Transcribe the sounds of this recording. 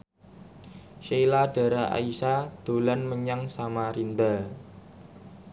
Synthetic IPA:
ʃelaɖ̥a̤ɾaʔa̰isad̪̥o̤lanməɲaŋsamaɾind̪a

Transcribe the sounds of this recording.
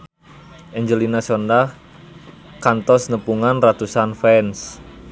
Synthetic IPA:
ʔɛɲd͡ʒəlinasɔndah | kant̪ɔsnəpuŋanrat̪usanfɛns

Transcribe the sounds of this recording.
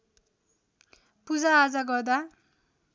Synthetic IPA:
pud͡zaːd͡zaɡʌrd̪a

